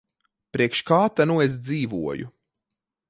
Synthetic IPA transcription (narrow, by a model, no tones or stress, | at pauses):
pɾiɛkʃkaːt̪anuez̬d̪ziːvṵɔjṵ